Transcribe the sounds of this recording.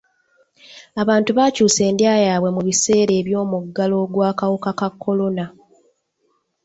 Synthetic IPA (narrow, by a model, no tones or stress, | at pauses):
aβaːntuβaːcuːse̞ːndjaːjaːβwe̞muβise̞ːɾe̞ːβjo̞ːmuɡːalo̞ɡwaːkawokakakːo̞lo̞na